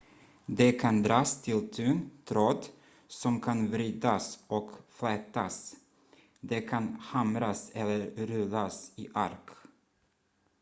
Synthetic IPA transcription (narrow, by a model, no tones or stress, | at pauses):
d̪ɛkʰand̪ɾɑːst̪ʰɪlt̪ʰʉːnt̪ʰɾoːd̪ | sɔmkʰanvɾyːd̪asɔkflɛt̪as | d̪ɛkʰanhamɾasɛlːəɾɾɵlːasɪʔa̰ɾk